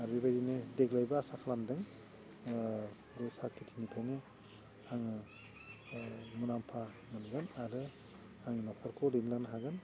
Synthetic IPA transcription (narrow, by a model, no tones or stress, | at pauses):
aɾbibajdinedeklajbaːsakʰalamdɯŋ | ɾɔsakʰitʰinipʰawne | aŋɯ | munampʰa | mɯnɡɯnaɾɯ | aŋnɔpʰɔɾkʰɔɾinlanɦaɡɯn